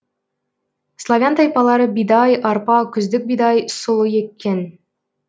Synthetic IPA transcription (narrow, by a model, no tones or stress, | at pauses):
slˠavʲant̪ɑjpɑlˠɑɾəbid̪ɑjʔɑɾpɑkʲɵ̆zd̪ɪk̚bid̪ɑjsŏlˠɤjekːen